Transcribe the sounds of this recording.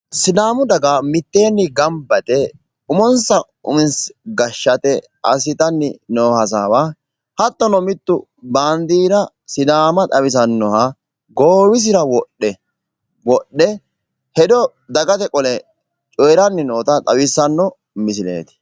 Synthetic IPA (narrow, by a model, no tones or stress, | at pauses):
sɪd̪aːmʊd̪ɐɡamɪt̪ːeːnːɪɡɐmbɐt̪ɛ | ʊmɔnsɐ | ʊ̰mɪnsɡɐʃːɐt̪ɛ | ɐs̬ɪt̪ɐnːɪnoːhɐs̬aːwa | hɐt̪ːɔnɔmɪt̪ːʊ | baːnd̪iːɾɐ | sɪd̪aːmɐt̪ʼɐwɪs̬ɐnːɔhɐ | ɡoːwɪs̬ɪɾɐwɔɗɛ | wɔɗːɛ | hɛd̪ɔ | d̪ɐɡɐt̪ɛkʼɔlɛ | t͡ʃʼɔjɾɐnːɪnoːt̪ɐt̪ʼɐwɪsɐnːɔ | mɪs̬ɪlḛːt̪ɪ̥